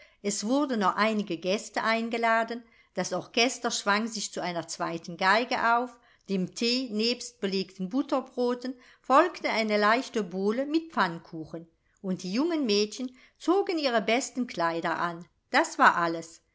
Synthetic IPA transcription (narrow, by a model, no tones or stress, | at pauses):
ʔɛsv̥ʊɐdn̩ːɔχʔaɪnɪɡəɡɛstəʔaɪnɡəlaːdn̩ | d̥asɔʁkʰɛstɐʃv̥aŋzɪçt͡suʔaɪnɐt͡sv̥aɪtən̩ɡaɪɡəʔaʊf | d̥eːmtʰeːneːpst̚b̥əleːktən̩bʊtɐbʁoːtən | fɔlktənaɪnəlaɪçtəboːləmɪt̚p͡fankʰuːxən | ʊnt̚d̥iːjʊŋənmɛːtçən | t͡soːɡəniːʁəbɛstən̩kl̥aɪdɐʔa̰n | d̥asv̥aːɐʔaləs